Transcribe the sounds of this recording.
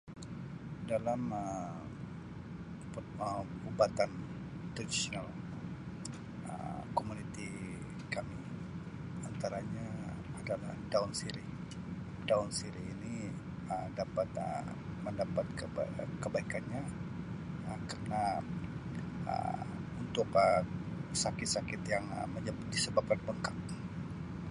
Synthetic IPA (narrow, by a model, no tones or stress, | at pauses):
dalamə | əubat̪an | t̪odisonal | ə̰komunit̪i | kami | ant̪aɾaɲa | adalahdaunsiɾi | daʊnsiɾiːni | ədapat̪ə̰ | məndapat̪̚kəkəbaikanɲa | əkarna | ə̰ | unt̪ʊkəsakɪt̪̚sakɪt̪jaŋə̰məɲd͡ʒabʊt̪̚disəbap̚kanbəŋkak̚